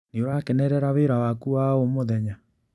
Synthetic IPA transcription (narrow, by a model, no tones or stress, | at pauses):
nioɾaːkɛnɛɾɛɾaweɾawakuwaomoðɛɲa